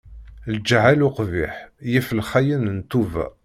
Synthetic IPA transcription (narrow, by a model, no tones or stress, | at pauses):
ld͡ʒʕalʊqvḭħjifəlχæjənnt̪ːuvæ̰